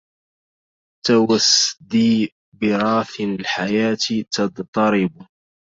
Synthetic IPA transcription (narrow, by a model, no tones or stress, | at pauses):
t̪awasd̪iː | bɪɾˤɑːθlħajaːt̪t̪ɑd̪t̪ˤɑɾɪb